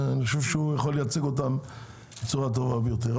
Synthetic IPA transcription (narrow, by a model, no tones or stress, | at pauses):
aniχaʃuvʃujaχolːejat͡seɡot̬am | bet͡suʁat̪̬ovabejot̬eʁ